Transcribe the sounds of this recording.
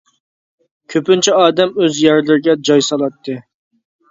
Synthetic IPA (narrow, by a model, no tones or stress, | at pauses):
kʲʰøpynt͡ʃʰiɑːd̪ɛmøzjæɾlɪɾɪɡʲɛd͡ʒɑjsɑlˠɑt̪ʰːɨ